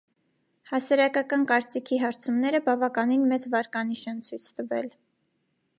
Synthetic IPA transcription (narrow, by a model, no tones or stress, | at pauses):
hɑsɑɾɑkɑkɑnkɑɾt͡sikʰiɦɑɾt͡sʰumnɛɾəbɑvɑkɑninmɛt͡svɑɾkɑn̪iʃɛnt͡sʰujt͡sʰt̪əvɛ̰l